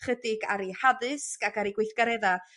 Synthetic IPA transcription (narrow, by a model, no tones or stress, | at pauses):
χədɪɡaɾihaðɨskakaɾiɡwɪjθɡ̥aɾɛða